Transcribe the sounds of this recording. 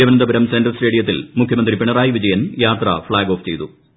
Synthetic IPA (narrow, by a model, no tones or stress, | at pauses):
ɐʋɐnɐnd̪ɐbɐɾɐmsendɐrsʈeɽijɐt̪̬ːilmukʰjɐmɐnd̪ripiɳɐraːjiʋid͡ʑɐjɐnjaːt̪rɐ̰fɭaːɡo̞ːft͡ɕe̞jt̪u